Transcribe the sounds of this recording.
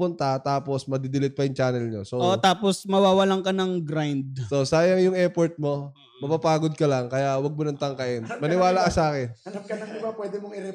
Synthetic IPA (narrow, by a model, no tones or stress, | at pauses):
pʊnt̪ɐt̪aːpo̞smɐd̪ɪd̪ɪlɪt̪̚pɐjʊŋt͡ʃaːnɛlɲosoʔot̪aːposmɐwaːwɐlɐŋkɐnɐŋɡɾajnd̪̚sosaːjɐŋjʊŋɛɾpoɾt̪̚mo̞ | mɐpapaːɡod̪̚kɐlɐŋkɐjaʔwɐɡ̚monɐŋt̪ɐŋkɐʔɪnmɐnɪwaːlɐkɐsaːkɛnɐnap̚kɐnɐmd̪ɪbapwɛːd̪ɛmoŋɪɾɛ